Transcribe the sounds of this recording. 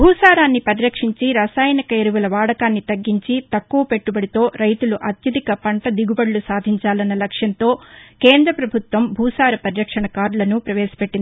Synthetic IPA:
bʱuːsaːɾaːnːipɐɾiɾɐkʂiɲt͡ʃiɾɐsaːjɐnikɐeɾuʋulɐʋaːɽɐkaːnːit̪ɐɡːiɲt͡ʃit̪ɐkːuʋɐpe̞ʈːubɐɽit̪o̞ːɾɐjt̪uluʔɐt̪jɐd̪ikɐpɐɳʈɐd̪iɡubɐɽlusaːd̪ʱiɲt͡ʃaːlɐnːɐlɐkʂjɐnt̪o̞ːkeːnd̪ɾɐpɾɐbʱut̪ʋɐmbʱuːsaːɾɐpɐɾiɾɐkʂɐɳɐkaːɾlɐnupɾɐʋɛːsɐ̥pe̞ʈːind̪i

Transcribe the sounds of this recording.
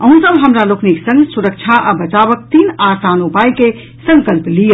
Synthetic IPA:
əɦũsəbɦəmɾalokʰniksə̃ŋɡsuɾək̚t͡ʃʰaʔabət͡ʃabək̚t̪inasanupajke | sə̃ŋkəlplijə

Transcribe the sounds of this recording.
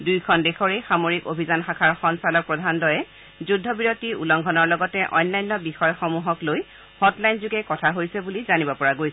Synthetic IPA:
dujkʰɔndexɔɹexamoɹikobʱizanxakʰaɹxɔnsalɔk̚pɹɔdʱandɔjɛ | zudʱːɔbiɹotiulɔŋɡʱɔnɔɹlɔɡɔtɛʔɔ̰jnːajnːɔbixɔjxɔmuɦɔkloj | hɔtlajnzuɡɛkɔtʰaɦojsɛbulizanibɔpɔɹaɡojsɛ

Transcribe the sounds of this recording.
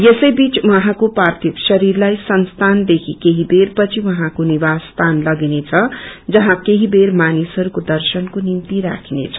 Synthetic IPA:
jesʌjbit͡swʌɦãkopart̪ʰipsʌɾirlajsʌnst̪ʰand̪ekʰikeɦiberpʌt͡sʰiwʌɦãkonibast̪ʰanlʌɡinet͡sʰʌd͡zʌɦãkeɦibermanisɦʌɾukod̪ʌrsʌnkonimt̪iɾa̰kʰinḛt͡sʰʌ̥

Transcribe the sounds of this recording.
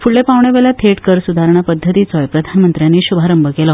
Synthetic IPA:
fuɭːepaʋɳeʋeljat̪ʰeʈkəɾsud̪ʱaɾɳ̃apəd̪ʱːət̪iːt͡sɔjpɾəd̪ʱanmənt̪ɾjanːiːɕubʱaɾəmbəkelɔ

